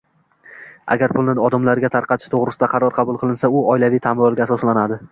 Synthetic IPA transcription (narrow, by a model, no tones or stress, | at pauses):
a̰ɡʲaɾpʰʊlnɪɒd̪amlaɾɡʲat̪ʰaɾqʰɑt̪ʰɪ̥ʃt̪ʰoʁɾɪsɪd̪aqʰɑɾɒɾqʰɑbʊlˠqʰɨlˠɪnsaʊɒɪlavijt̪ʰamɾɒlˠɡʲaːsɒslanad̪ɪ